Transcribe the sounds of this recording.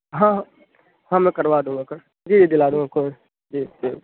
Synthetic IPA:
ɦã | hãːmɛ̃ːkəɾʋaːd̪ũːɡakəɾ | d͡ʒiːd͡ʒiːd̪ɪlaːd̪ũŋɡakʰoɾ | d͡ʒiːd͡ʒi

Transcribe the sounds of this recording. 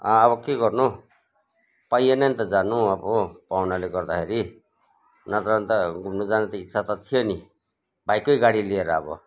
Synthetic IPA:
aːbʌkeɡʌrnu | pajenant̪ʌd͡zanuʌbopawnaleɡʌrd̪akʰeɾi | nʌt̪ant̪ʌɡʱumnud͡zanet̪ʌitːsʰat̪ʌt̪ʰijoni | bʱajkojɡaɽilieɾʌʌ̰bʌ̰

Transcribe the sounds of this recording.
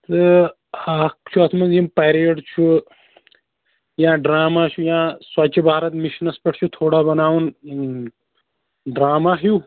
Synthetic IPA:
t̪ɨ | aːkt͡ʃʰuɐt̪ʰmɐzimpɐɾieɖt͡ʃʰu | jãːɖɾaːmaːt͡ʃʰujãːswɐt͡ʃʰibʱaːɾɐt̪miʃnɐspɐʈʰt͡ʃʰut̪ʰoːɽabɐnaːwun | ɖɾaːmaːɦju

